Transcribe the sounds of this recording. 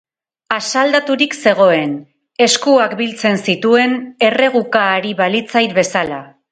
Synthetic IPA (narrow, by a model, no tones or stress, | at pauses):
asald̪at̪uɾikse̞ɣ̞o̞e̞n | e̞skuakbilt͡se̞nsit̪ue̞ne̞re̞ɣukaːɾiβalit͡sajt̪̚be̞sala